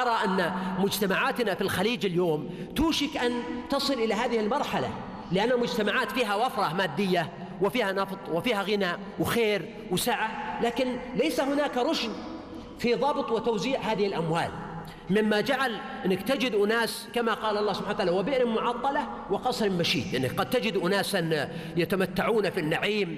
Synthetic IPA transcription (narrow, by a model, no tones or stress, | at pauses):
ʔɑɾˤɑʔanːamʊd͡ʒt̪amaʕaːt̪nafilxaliːd͡ʒɪljoːm | t̪uːʃɪkʔant̪ɑsˤɨlʔɪlaɦaːðɪhɪlmɑɾˤħala̰ | lɪʔanːamʊd͡ʒt̪amaʕaːt̪fiːɦawɑfɾˤɑmaːd̪ːɪjːa | wɪfiːhanɑft̪ˤwɪfiːhaɣɪnaːʔ | wxeːɾ | wsaʕalaːkɪnlajsaɦʊnaːkɾˤʊʃn | fiðˤɑbt̪ˤwɪt̪awziːʕhaːðɪhɪlʔamwa̰ːl | mɪmːad͡ʒaʕalʔɪnːɪkt̪ad͡ʒɪd̪ʔʊnaːskamaqɑːlʔɑlˤːɑːsʊbħanwt̪aʕaːlawabɪʔnɪlmʊʕɑt̪ˤːɑla | wɪqɑsˤɾɪmmaʃḭːd̪ʔɪnːɪkqɑd̪̚t̪ad͡ʒɪd̪ʔʊnaːsan | jat̪amat̪ːaʕuːnafinːaʕiːm